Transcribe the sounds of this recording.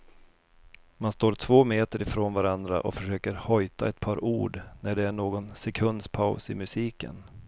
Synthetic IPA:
manst̪oːɾʈʰvoːmeːt̪əɾɪfɾoːnvaɾand̪ɾa̰ʔɔ̰fœʂøːkəɾhɔjt̪a̰ɛt̪̚pʰɑːɾʔṵːɖnæɖɛæɳoːɡɔnsɛkʰɵnd̪spʰaʊsɪmɵsiːkə̰n

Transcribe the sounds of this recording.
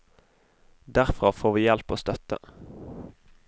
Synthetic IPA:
d̪æʁfʁɑfoːʁʋiːjɛlpoːst̪œt̪ə̰

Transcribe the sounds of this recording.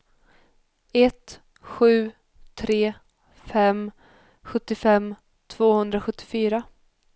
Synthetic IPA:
ɛt̪ | ɧʉ̟ː | t̪ʰɾeː | fɛm | ɧɵt̪ːɪfɛmː | t̪ʰv̥oːhɵnd̪ɾaɧɵt̪ːɪ̥fyːɾa

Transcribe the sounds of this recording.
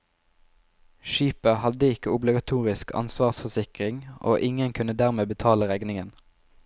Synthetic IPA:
ʃiːpəhɑd̪əɪkəʊblɪɡɑt̪ʰuːʁɪskʰɑ̰nsʋɑːʁsfɔsɪkʁɪŋo̰ːʔɪŋənkʰʉnəd̪æʁmeːbət̪ʰɑːləʁɛɡnɪŋən

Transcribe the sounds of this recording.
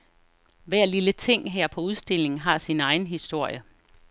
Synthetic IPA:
ʋæɐ̰lilət͡sʰe̝ŋ̰ɦæɐ̰pʰɒ̽uð̞ˠsd̥e̝l̰e̝ŋn̩ɦɑ̈sinɑ̈ɪn̩ɦisd̥o̝ɐ̰jə

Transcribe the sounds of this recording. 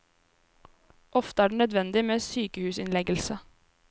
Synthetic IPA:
ʔɔft̪əæːɖeːnœd̪ʋɛnd̪ɪmeːsyːkəhʉːsɪnlɛɡəlsə

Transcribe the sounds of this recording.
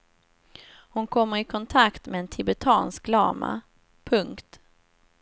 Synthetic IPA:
hʊnkʰɔmːəɾɪkʰɔnt̪ʰakt̪mɛɛnt̪ʰɪbɛt̪ʰɑːnsk̚lɑ̰ːma̰ | pʰɵŋkt̪

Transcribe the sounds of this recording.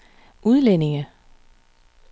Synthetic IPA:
ʔuð̞ˠlenɪ̝ŋə

